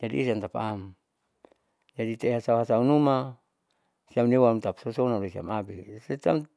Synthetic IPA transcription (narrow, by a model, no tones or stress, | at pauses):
d͡ʒadḭːsant̪apa̰m | d͡ʒadit̪eɦasauɦasaunuma | siamniwamt̪apsosonaɾesia̰mabiset̪am